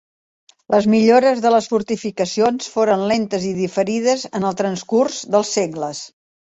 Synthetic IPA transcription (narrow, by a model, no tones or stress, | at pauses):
lʔəzmiʎoɾəzðələsfuɾt̪ifikəsionsfoɾənlent̪əziðifəɾiðəzənəlˠt̪ɾənskurzðəlˠsːeɣləs